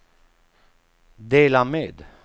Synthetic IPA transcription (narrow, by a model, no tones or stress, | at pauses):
d̪eːlameːd̪